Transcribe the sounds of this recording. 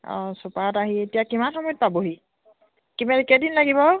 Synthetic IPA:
ɔ̰̃supaɔtaɦietijakimanxɔmɔjɔt̚paboɦi | kimaɹikɛdinlaɡibɔ

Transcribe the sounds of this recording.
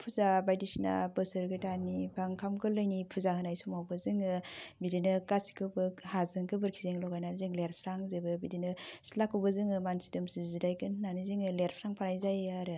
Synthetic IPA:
pʰuzabajdisina̰bɯsɯɾɡɯjtanibʰaŋkʰamkɯlɯjnipʰuzahɯnajsumawbɯzɯŋɯbidinɯkasi̥kʰɯbɯhazɯŋkʰɯbɯɾkʰizeŋlɔɡajnaɾzɯŋleɾsɾaŋzebɯbidinɯsilakʰːɯwbɯzɯŋɯmansi̥dɯmsizidajkɯnɯnanizɯŋɯleɾsɾaŋpʰanajzajaɾɯ

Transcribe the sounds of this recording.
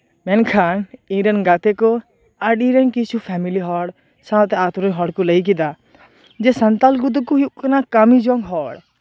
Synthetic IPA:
mɛnkʰanĩɾɛnɡat̪ɛkɔ | aɖĩɾɛnkit͡ʃʰupʰɛmiliɦɔɽ | sãt̪ɛat̪uɾɔnɦɔɽkuləjk̬id̪a | d͡ʒɛsənt̪alɡud̪̬ukuɦiʔkanakamid͡ʒɔŋɡɦɔɽ

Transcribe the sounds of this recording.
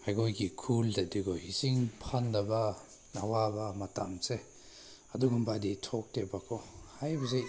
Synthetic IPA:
hajkojkikʰuldadiɡɔhisiŋpʰandaba | awabamatamse | aduɡumbaditʰɔk̚tebakʰɔhajbɐzej

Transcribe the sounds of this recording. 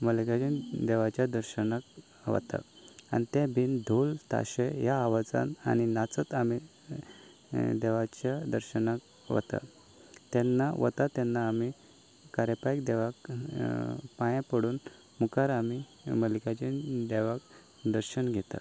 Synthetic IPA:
məlikad͡ʑid̪eʋat͡ɕjad̪əɾɕənak | ʋə̰t̪a̰a̰nit̪ebʱind̪ʱult̪a̰ɕejaːʋad͡za̰na̰ninat͡sət̪ami | d̪eʋat͡ɕjad̪əɾɕənak | ʋə̰t̪a̰ | t̪ɛnːaʋə̰t̪at̪ɛnːaːmi | kaɾepaikd̪eʋak | pãjãpəɽuːn | mukaɾami | məlikat͡ɕid̪eʋak | d̪əɾɕənɡʱɛt̪a̰

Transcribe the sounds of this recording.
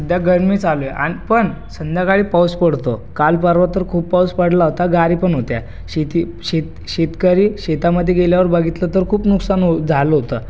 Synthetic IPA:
d̪ʱjaɡəɾmiːt͡saloeʔa̰nipəɳ | sənd̪ʱjakaɭiːpawspəɽt̪okalpəɾʋat̪əɾkʰuːbpawspəɽlaɦot̪aɡaɾiːpəɳɦot̪ja̰ | ɕet̪i | ɕet̪ | ɕet̪kəɾiːɕet̪aməd̪ʱːeɡeljaʋəɾbaɡʱit̪lət̪əɾkʰuːpnuksanod͡zʱaləɦot̪ə

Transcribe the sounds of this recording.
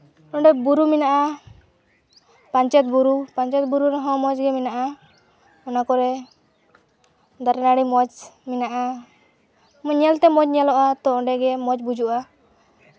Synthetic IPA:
ɔ̃ɳɖɛbuɾuminaʔa | paɲt͡ʃɔt̪̚buɾupaɲt͡ʃɔt̪̚buɾuɾɔɦɔ̃mɔd͡ʒɡɛminaʔa | ɔnakɔɾɛ | d̪ɔɾɛnaɽimɔd͡ʒminaʔa | mɔɲɛlt̪ɛmɔd͡ʒɲɛlɔʔat̪ɔɔɖɛɡɛmɔd͡ʒbud͡ʒuʔa

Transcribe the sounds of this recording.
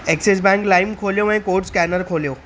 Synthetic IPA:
ekses̬bɛ̃ŋklaːɪmkʰoːljoɛ̃koːʈskɛːnəɾkʰoːljoː

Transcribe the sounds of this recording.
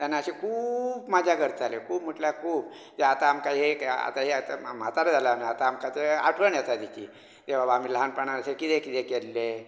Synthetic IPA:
t̪janːaəɕekʰuːbmad͡ʑʱakəɾt̪alekʰuːpməʈljakʰuːb | t̪eat̪aːmkaɦea̰t̪aɦeat̪am̤at̪aɾed͡zaləamiat̪aːmkat̪ea̰ʈʰʋəɳjɛt̪ad̪it͡ɕiː | t̪eʋ̤abam̤iːlɦanpəɳaɾəsekit̪ekit̪ekelːe

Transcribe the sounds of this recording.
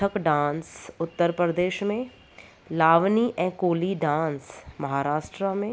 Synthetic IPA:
əkɖãːnsʊt̪ːəɾpɾəd̪eːʃmẽ | laːʋniʔɛ̃ːkoːliɖãːnsmɐɦaːɾaːʃʈɾamẽ

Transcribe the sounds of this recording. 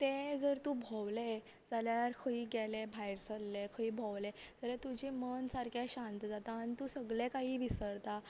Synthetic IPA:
t̪ed͡zəɾt̪ũːbʱɔwle | d͡zaljaɾkʰəiːɡɛlebʱajɾsəlːekʰəiːbʱɔwled͡zalat̪ud͡ʑimənsaɾkaɕãnt̪d͡zat̪aːnit̪usəɡɭekaɦiːʋisəɾt̪a

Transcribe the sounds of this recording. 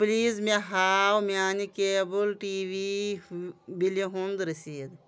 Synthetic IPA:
pliːzmeɦaːwmaːnikeːbəlʈiːʋi | bileɦũnd̪ɾɐsiːd̪

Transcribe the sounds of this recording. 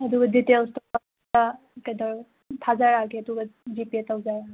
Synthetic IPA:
ɐdubɐditelstɔa | tɐ | kɐjdɐɾ | tʰazaɾaɡeɐdubɐd͡ʒipietawzajɾaɡ

